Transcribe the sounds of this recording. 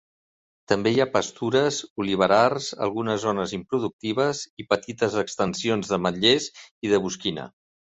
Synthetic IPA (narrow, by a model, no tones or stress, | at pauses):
t̪əmbejapəst̪uɾəzuliβ̞əɾarzə̰lˠɣunəzːonəzimpɾuðuk̚t̪iβ̞əzipət̪it̪əzəkst̪ənsionzðəməʎeziðəβ̞uskinə̰